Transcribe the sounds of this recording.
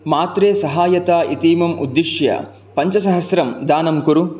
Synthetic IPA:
maːt̪ɾeːsɐɦaːjɐt̪aːʔit̪iːmɐmṵd̪ːiʃjɐ̰ | pɐɲt͡ʃɐsɐɦɐsɾɐmd̪aːnɐmkuɾu

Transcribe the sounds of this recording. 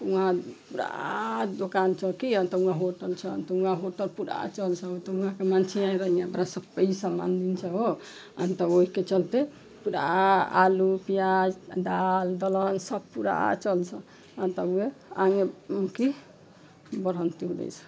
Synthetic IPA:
uɦãpuɾa̰d̪okant͡ʃəkiənt̪ɔũãɦoʈəlt͡ʃʰə̰nt̪əũãɦoʈəlpuɾa̰t͡ʃəlt͡ʃʰəɦot̪ɔũɦãkemant͡ʃʰeaiɾəɦijãmɾasəbpəisama̰nd̪int͡ʃʰɛɦo | ə̰nt̪əoɦiket͡ʃəlt̪e | puɾa̰a̰lupijad͡ʒd̪ald̪ələnsəb̚puɾa̰t͡ʃəlt͡ʃʰə | ənt̪əueaŋeki | bəɾənt̪iɦudɛ̰jt͡ʃʰ

